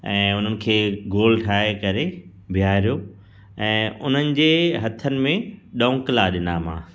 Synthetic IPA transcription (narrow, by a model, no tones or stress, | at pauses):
ɛ̃ːʊn̤ənɪ̆kʰeːɡoːlʈʰaːekɐɾe | bʱijaːɾijo | ɛ̃ːʊn̤ənɪ̆d͡ʑeːɦɐt̪ʰənɪ̆mẽɗõːŋklaɗɪnaːmã̰ː